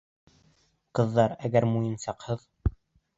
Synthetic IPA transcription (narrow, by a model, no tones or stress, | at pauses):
qɤ̆ðːɑɾæɡæɾmujɤ̆nsɑqhɤð